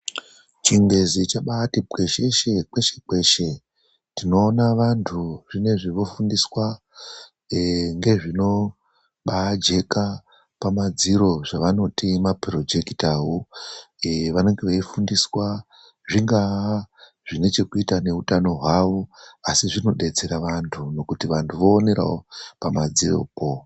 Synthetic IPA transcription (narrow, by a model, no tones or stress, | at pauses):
t͡ʃiŋɡezit͡ʃaɓatike̞ʃe̞ʃe̞k͡pe̞ʃe̞̥k͡pe̞ʃe̞ | tino̞ːnaʋantʰuʐine̞ʐiʋo̞fundiswa | ŋɡe̞ʐino̞ | ɓad͡ʒe̞ka | pamad͡ziɾo̞ʐaʋano̞timapro̞d͡ʒe̞ki̥tawu | eʋane̞ŋɡeʋaifundiswa | ʐiŋɡa | ʐ̥ine̞t͡ʃe̞kuitane̞ɦutano̞ɦwaʋo̞asiʐino̞ɗe̞t͡se̞ɾaʋantʰuno̞kutiʋantʰuʋo̞ːne̞ɾa̰opamad͡ziro̰ko